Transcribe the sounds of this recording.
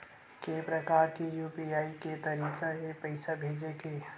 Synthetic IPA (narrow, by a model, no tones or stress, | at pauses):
kepɾɐkaːɾkijuːpiaːiket̪ɐɾiːkaɦepəɪsabʱeːd͡ʒekeː